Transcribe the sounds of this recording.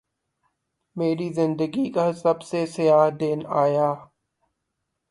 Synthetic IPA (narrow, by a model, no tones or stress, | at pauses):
meːɾizɪ̃nd̪əɡikasɐbsesɪjaːɦd̪eːnaːjaː